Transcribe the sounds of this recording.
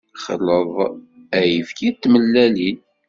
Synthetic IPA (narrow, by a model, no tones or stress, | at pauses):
χə̰ləðˤ | æjəfkit̪ːməlːælin